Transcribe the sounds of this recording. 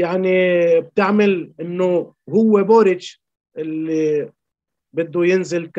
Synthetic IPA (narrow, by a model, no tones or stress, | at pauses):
jaʕnib̚t̪ɪʕmalʔɪnːo | ɦʊwːeboːɾɪd͡ʒ | ʔɪlːi | bɪd̪ːujɪnzɪlk